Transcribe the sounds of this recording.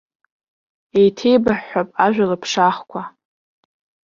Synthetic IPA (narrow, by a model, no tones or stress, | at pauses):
ejtʰe̞jbaħːapʼaʒᶣʷalɨpʰʂaχkʷʰa